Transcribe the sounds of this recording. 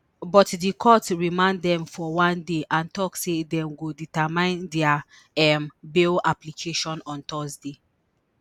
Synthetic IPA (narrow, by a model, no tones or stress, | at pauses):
bɔtdikʰɔtɹimãnddɛ̃mfɔwãndeʔãntɔksedɛ̃mɡoditamãɪ̃ndɛa | ɛmbelaplikʰeʃɔ̃nɔ̃ntɔzde